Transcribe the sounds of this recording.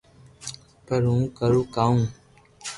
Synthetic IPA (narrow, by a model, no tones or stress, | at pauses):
pəɾũːkəɾuːkaːũː